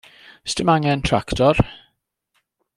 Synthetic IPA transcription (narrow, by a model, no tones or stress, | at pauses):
stəmaŋəntʰɹa̰ktʰɔɾ